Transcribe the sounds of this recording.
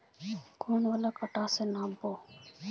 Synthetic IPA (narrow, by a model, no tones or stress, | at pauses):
kʰoːnʋələkəʈaːseːnaːmpoː